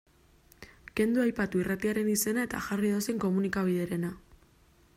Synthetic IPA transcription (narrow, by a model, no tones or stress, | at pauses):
ke̞nd̪uajpat̪uirat̪iaɾe̞nise̞nae̞t̪a̰ʝariðo̞seŋko̞munikaβ̞ið̞e̞ɾe̞na